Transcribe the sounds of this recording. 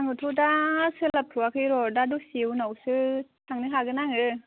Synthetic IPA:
aŋɯtʰudasɯlap̚tʰuwakʰɯjɾɔdadusiwnawsɯtʰaŋnɯɦaɡɯnaŋɯ

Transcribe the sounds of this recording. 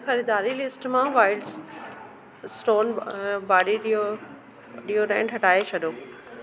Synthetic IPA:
xɐɾiːd̪aːɾilɪsʈmãʋaːɪlɖs | sʈoːnbaːɽiɗo | ɗiːoɾɛ̃ɪ̃ːɖɦɐʈaːet͡ɕʰɐɗoː

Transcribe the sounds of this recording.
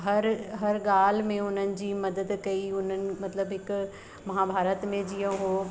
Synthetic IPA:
ɦɐɾɦɐɾɠaːl̤mẽʊn̤ənɪ̆d͡ʑiːmɐd̪əd̪kɐiʊn̤ənɪ̆mɐt̪ləbɦɪk | mɐɦabʱaːɾət̪mẽd͡ʑijõɦo

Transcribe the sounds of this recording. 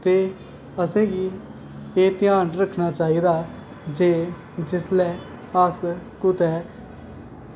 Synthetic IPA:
t̪eː | əsẽːɡiː | eːt̪ɪjãːnɾəkʰnaːt͡ʃaːiːd̪aː | d͡ʒeː | d͡ʒɪslɛː | əskʊt̪ɛː

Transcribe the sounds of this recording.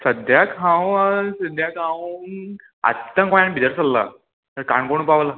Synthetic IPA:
səd̪jakʰãwsəd̪jakʰãw | a̰t̪t̪ːãkɔ̃jãnbʱid̪əɾsəlːa̰ | t̪əɾkaɳkoɳũpaʋla

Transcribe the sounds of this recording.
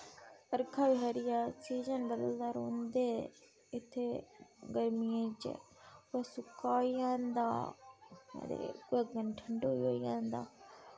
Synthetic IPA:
əɾkʰaːbɪɦaːɾɪjaːsiːd͡ʒə̃nɖəld̪aːɾõːnd̪eː | ɪt̪ʰːeːɡəɾmijẽːt͡ʃə̰ | esʊkaːijãːnd̪a̰ː | d̪ḛəɡənʈʰəɳɖoːiɦo̰ːijãːnd̪a̰ː

